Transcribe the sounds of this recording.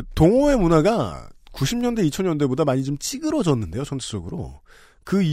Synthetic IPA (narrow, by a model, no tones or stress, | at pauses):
toŋoe̞munaɡakuɕʰimɲʌnde̞it͡ɕʰʌnɲʌnde̞bodamaɲit͡ɕomt͡ɕ͈iɡɯɾʌd͡ʑʌnːɯnde̞jot͡ɕʰʌnt͡ɕʰe̥s͈ʌɡɯɾo̰ | kɯi